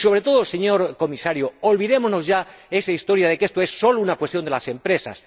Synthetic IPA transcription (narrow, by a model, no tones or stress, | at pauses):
so̞β̞ɾe̞t̪o̞ðose̞ɲo̞ɾko̞misaɾjoolβiðe̞mozno̞zʝa | e̞saist̪o̞ɾjað̞e̞ke̞st̪oe̞sːo̞lounakwe̞st̪jond̪elase̞mpɾe̞sa̰s